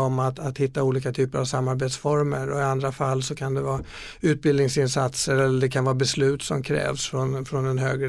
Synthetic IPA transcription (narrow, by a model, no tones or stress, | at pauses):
ɔmat̪at̪hɪt̪ːauːliːkat̪ʰyːpəɾavsamːaɾbeːt̪sfɔɾmə̰ɾɔɪand̪ɾafalːsɔkʰand̪ɛvɑː | ʉ̟ːt̪̚bɪld̪ɪŋsɪnsat̪səɾɛlːəɖɛkʰanvɑːbɛslʉ̟ːt̪sɔmkʰɾɛ̰ːvsfɾɔnfɾɔnɛnɦø̰ːɡɾ